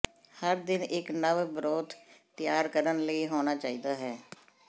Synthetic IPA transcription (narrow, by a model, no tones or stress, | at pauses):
həɾd̪ɪnɪknəʋbɾoːd̪t̪ɪjaːɾkəɾənləiːɦoːnaːt͡ʃaːiːd̪aːɦɛː